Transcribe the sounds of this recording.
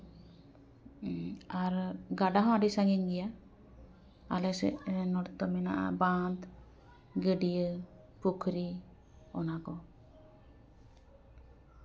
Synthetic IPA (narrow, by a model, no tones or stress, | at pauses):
aɾɡaɖaɦãɖisaŋɡinɡɛja | alɛsɛ̰ʔnɔɾt̪ɔmɛnaʔa̰band̪ | ɡəɖijə | pukʰɾi | ɔnakɔ